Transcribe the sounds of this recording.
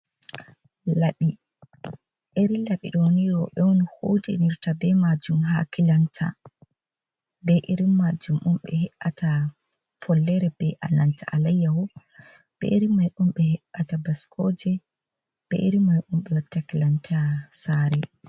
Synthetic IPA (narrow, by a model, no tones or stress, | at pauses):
laɓi | ʔeɾilaɓḭɗɔwoniɾɔɓɛwonihodiniɾtabɛmad͡ʒumɦa̰kilantʰa̰ | bɛʔeɾimːad͡ʒumʔumɓɛ̰hɛʔatʰa | fɔlːɛɾɛb̥ɛʔa̰nantaʔalajːawɔ | b̥ɛ̰ʔeɾimːajʔumɓɛhɛɓatabaskʰɔd͡ʒɛ | b̥ɛ̰ʔiɾimːajʔumɓɛwatːakilantʰasaɾɛ